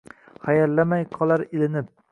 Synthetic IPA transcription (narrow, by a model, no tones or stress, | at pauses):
χajalːamajqʰɒlˠaɾɪlɪnɪp̚